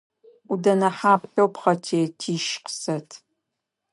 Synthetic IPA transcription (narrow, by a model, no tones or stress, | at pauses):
udɐnɐħaːpɬowpχɐtʰeːtʰiːʃqsɐtʰ